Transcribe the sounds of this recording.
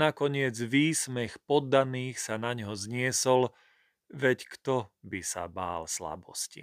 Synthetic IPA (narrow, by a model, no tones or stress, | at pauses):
nakɔɲɪɛd͡zʋiːsmɛxpɔd̪ːaniːxsanaɲɦɔzɲɪɛsɔl | ʋɛckt̪ɔbisa̰ba̰ːlsla̰bɔ̰scḭ